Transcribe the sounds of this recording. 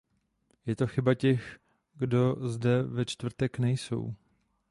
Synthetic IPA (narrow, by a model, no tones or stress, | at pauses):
jɛt̪o̞xɪbacɛx | ɡdo̞zdɛvɛt͡ʃt̪vr̩t̪ɛknɛjso̞̰w